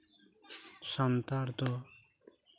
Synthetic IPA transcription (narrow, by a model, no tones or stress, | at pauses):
ʃant̪aɾt̪o